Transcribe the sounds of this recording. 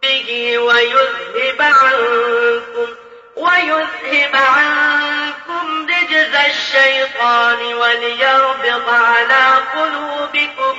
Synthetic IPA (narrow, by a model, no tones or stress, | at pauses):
bɪɦiːwajʊsˤhɪbʕaŋkʊm | wajʊshɪbʕaŋkʊmlɪd͡ʒɪzaʃːajt̪ˤɑːnɪwaljaɾbɪɣaʕnaːqʊlubɪkʊm